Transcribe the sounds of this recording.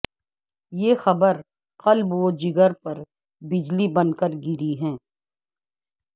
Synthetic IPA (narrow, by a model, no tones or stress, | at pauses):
jeːxɐbəɾ | qɐlbʋoːd͡ʒɪɡəɾpɐɾ | bɪd͡ʒlibɐnkəɾɡɪɾiɦɛ̃ː